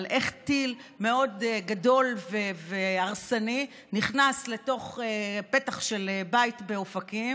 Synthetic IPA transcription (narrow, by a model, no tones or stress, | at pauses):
lʔe̞χtilme̞o̞dɡado̞lveveaʁsani | niχnasle̞to̞χepe̞taχʃe̞lebajitbe̞ofakim